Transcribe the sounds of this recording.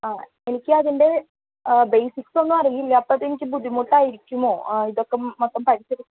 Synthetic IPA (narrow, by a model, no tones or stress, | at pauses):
aː | e̞nikʲːɨɐðinde̞ | bejsikso̞nːɨɐrɐjilːiɐpːɐðenikʲːɨbuðʱimuʈːaːjiɾikʲːumo̞ːiðo̞kːe̞mot̪ːɐmpɐɾisɐɾikʲː